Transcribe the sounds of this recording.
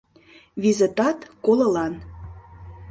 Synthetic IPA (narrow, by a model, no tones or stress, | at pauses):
βizet̪ɑt̪kolɤ̆lɑn